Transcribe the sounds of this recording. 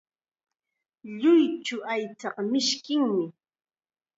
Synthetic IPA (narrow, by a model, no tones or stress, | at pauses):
ʎʊjt͡ʃʊajt͡sɑqmɪʃkɪŋmɪ